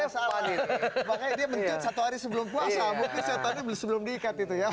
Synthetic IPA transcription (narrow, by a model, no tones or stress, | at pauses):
saaimakajdiaməɲt̪asat̪uɦaɾisəbəlʊmpuasamuŋkɪnsajat̪adibəsəbəlʊmdiːkat̪it̪uja